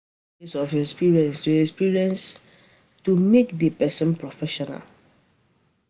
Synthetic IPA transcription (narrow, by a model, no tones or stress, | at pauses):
isɔvɛspiɹiɛ̃nstuɛspiɹiɛ̃ns | tumekdəpɛsɔ̃npɹɔfɛʃɔna̰l